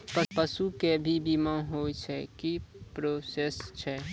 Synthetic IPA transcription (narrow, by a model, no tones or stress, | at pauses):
pəɾpəsukebʱibʱimãɦot͡ʃʰɛkipɾoːsest͡ʃʰɛ